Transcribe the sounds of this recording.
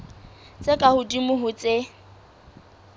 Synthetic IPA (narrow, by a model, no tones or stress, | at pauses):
t͡sʼekʼahʊdimʊɦʊt͡sʼe